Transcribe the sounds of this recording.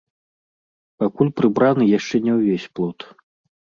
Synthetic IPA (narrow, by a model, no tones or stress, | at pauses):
pakulʲpɾɨbɾanɨjaʂt͡ʂɛnʲɛwvʲesʲplˠɔt̪